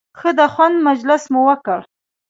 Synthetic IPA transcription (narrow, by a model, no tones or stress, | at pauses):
xəd̪əxwand̪mad͡ʒlɪsmʊwəkəɽ